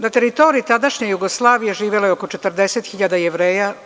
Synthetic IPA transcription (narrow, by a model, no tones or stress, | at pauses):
nat̪e̞ɾit̪o̞ɾiit̪ad̪aʃɲejuɡoslˠaːʋijeʒiːʋeleoko̞t͡ʃet̪r̩ɾd̪eset̪xiʎad̪ajeʋɾeːja